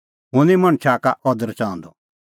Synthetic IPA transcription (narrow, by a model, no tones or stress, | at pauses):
ɦʊ̃nimɐ̃ɽ̃t͡ʃʰakaʔɔd̪əɾt͡ʃãːɔ̃nd̪ɔ